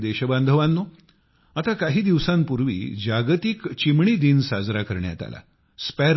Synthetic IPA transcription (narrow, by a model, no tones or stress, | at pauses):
d̪eɕəbãnd̪ʱəʋanːo | at̪akaɦiːd̪iʋsãmpuɾʋḭːd͡ʑaɡt̪ikt͡ɕimɳiːd̪iːnsad͡zɾakəɾɳja̰t̪a̰la̰ | spæɾ